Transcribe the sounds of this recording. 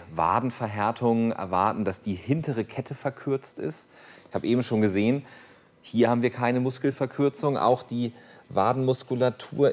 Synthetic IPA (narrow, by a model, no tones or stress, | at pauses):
va̰ːdn̩fɛɐɦɛɐtʰʊŋənʔɛ̰ɐva̰ɐtn̩d̥asd̥iːhɪntəʁəkʰɛtʰəfɛɐkʰʏɐt͡stɪ̰st | ɪçhaːbəʔeːbm̩ʃoːnɡəzeːən | hiːɐhaːbm̩viːɐkʰaɪnəmʊskl̩fɛɐkʰʏɐt͡sʊŋʔa̰ʊxd̥iːvaːdn̩mʊskulatʰṵːɐ